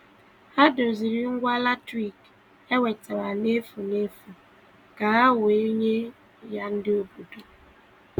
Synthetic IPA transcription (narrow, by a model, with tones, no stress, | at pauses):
ha˦dʊ˨zi˨ɾi˦ŋ̩˦ɡʷa˦la˦tɾi˦˨k | e˦we˨ta˨ɾa˨ne˦fu˨ne˦fu˨ | ka˨a˦wʊ˨e˦ɲe˦ | ja˦n̩˦dɪ˦o˦bu˨do˨